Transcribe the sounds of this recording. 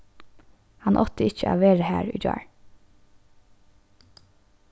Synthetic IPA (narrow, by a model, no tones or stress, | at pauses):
hɑnʔɔt̪əɪçə̰ʔɑ̰ːʋeːɹəhæːɹy̰ːd͡ʒɑ̰ːɹ